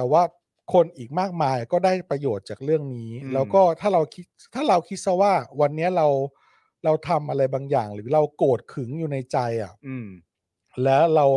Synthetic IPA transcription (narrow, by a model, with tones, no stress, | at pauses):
t̪ɛː˨˩waː˥˩ | kʰo˧nʔiː˨˩k̚maː˥˩k̚maː˧jʔa˨˩kɔː˥˩daː˥˩jpɾa˧joː˨˩t̪̚t͡ɕaː˨˩k̚ɾɯ˥˩əŋniː˦˥lɛː˦˥wkɔː˥˩t̪ʰaː˥˩ɾa˧wkʰi˦˥t̪̚t̪ʰaː˥˩ɾa˧wkʰi˦˥t̪̚sa˧˥˩waː˥˩wa˧nːi˦˥ɐɾa˧w | ɾa˧wt̪ʰa˧mʔa˧ɾa˧jbaː˧ŋjaː˨˩ŋɾɯː˩˦ɾa˧wkoː˨˩t̪̚kʰɯ˩˦ŋjuː˨˩na˧jt͡ɕa˧jʔa̰˨˩ | lɛː˦˥wɾa˧w